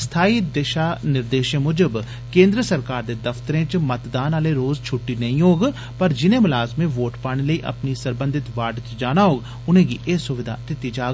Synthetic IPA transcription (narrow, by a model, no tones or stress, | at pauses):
st̪ʰaːiːd̪eʃaːnɪɾd̪eːʃẽːmʊd͡ʒəb | kẽːnd̪ɾəsəɾkaːɾd̪eːd̪əfʰt̪əɾẽːt͡ʃmət̪d̪aːnaːleːɾoːzt͡ʃʰʊʈːiːnəĩːɦoːɡ | pəɾd͡ʒɪnẽːmʊlaːzmẽːʋoːʈpaːɽ̃eːləiːʔə̰pniːsəɾbə̃nd̪ɪt̪ʋaːʈt͡ʃd͡ʒaːnaːɦoːɡ | ʊnẽːɡiːʔeːsʊʋɪd̪ʱa̰ːd̪ɪt̪ːiːd͡ʒaːɡ